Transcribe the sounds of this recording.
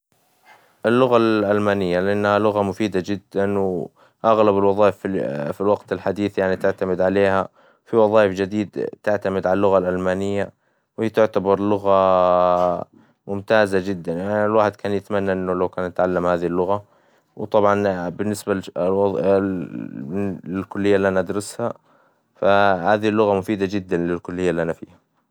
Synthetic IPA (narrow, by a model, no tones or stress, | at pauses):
ʔɪlːʊɣalʔalmaːnɪjːalɪʔanːhalʊɣamʊfiːd̪ad͡ʒɪd̪ːanw | ʔaɣlabɪlwɑðˤɑːʔɪffilwaqt̪ɪlħad̪iːθjaʕnit̪ɪʕt̪amɪd̪ʕaleːha | fiwɑðˤɑːʔɪfd͡ʒɪd̪iːd̪t̪ɪʕt̪amɪd̪ʕalalːʊɣalʔalmaːnɪjːa | whiːt̪ʊʕt̪abɑɾˤlʊɣa | mʊmt̪aːzad͡ʒɪd̪ːanjanlwaːħɪd̪kʰaːnjɪt̪manːaʔɪnːʊlawkaːnɪt̪ʕalːamhaːðilːʊɣa | wt̪ˤɑbʕɑnbɪnːɪsba | lɪlkʊlːɪjːalːiːʔanaʔad̪ɾɑsha | fahaːðilːʊɣamʊfiːd̪ad͡ʒɪd̪ːanlɪlkʊlːɪjːalːiːʔanafḭːha